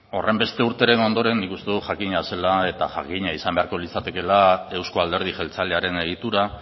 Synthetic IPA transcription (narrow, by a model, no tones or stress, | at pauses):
o̞re̞mbe̞st̪e̞uɾt̪e̞ɾe̞no̞nd̪o̞ɾe̞nːikust̪eðuʝakiɲase̞lae̞t̪a̰xa̰kiɲaisambe̞aɾko̞lit͡sat̪e̞ke̞lae̞wsko̞ald̪e̞ɾð̞iʝe̞lt͡saleaɾe̞ne̞ɣ̞it̪uɾa